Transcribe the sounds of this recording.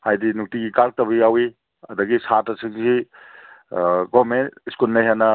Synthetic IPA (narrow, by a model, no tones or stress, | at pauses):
hajdinuk̚tiɡikal̚tɐbijawi | ɐdɐɡisatɐsʰiŋsi | ɡɔmeniskulnajɦanɐ